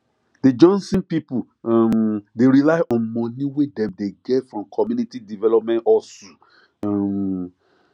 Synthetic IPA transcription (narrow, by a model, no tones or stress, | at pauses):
ded͡ʒɔ̃nsĩnpipu | mdeɹilaɪʔɔ̃nmɔ̃nĩwedɛ̃mdeɡɛtfɹɔ̃mkʰɔmjunitidivɛlɔp̚mɛ̃ntɔso | m